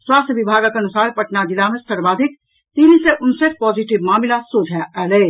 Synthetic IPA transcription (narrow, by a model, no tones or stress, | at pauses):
swaːst̪ʰʋɪbʱaːɡakɐnʊsaːɾpɐʈnad͡ʒ̪ɪlaːməst̪ɐɾbaːd̪ʱɪk̚ | t̪iːnĩseʔʊnsek̚pɔːziʈɪʋmaːmɪlasoːd͡ʒʱaɛːleː